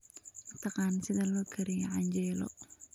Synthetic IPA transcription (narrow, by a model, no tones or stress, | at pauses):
mɐt̪ʰɑqɑːnsɪðɐlɔːkʰɐɾɪjɐʕɑɲt͡ʃɛːlɔ̰